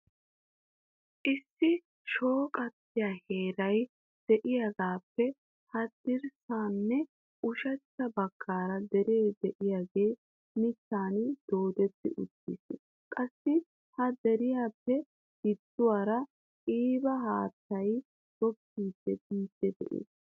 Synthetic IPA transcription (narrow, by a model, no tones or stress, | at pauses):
ʔɪsːɪ | ʃo̞ːkʼɐt̪ːɪjaːhe̞ːɾɐj | d̪̥ɛʔɪjaɡaːpːɛ | hɐd̪ɪɾsaːnːɛ | ʊʃɛt͡ʃːɐbɐkʰːaːɾɐd̪ɛɾe̞ːd̪ɛʔɪjaːɡe̞ː | mɪt̪ːaːnd̪̥oːd̪ɛt̪ːɪ̰ʔʊt̪ːḭs | kʼɐsːɪ | hɐd̪ɛɾɪjaːpːɛ | ɡ̥ɪd̪ːʊwaːɾɐ | iːbɐɦaːt̪ːɐj | ɡ̥ɔpːiːd̪̥ːɛbiːd̪̥ːɛd̪ɛ̰ʔḛːs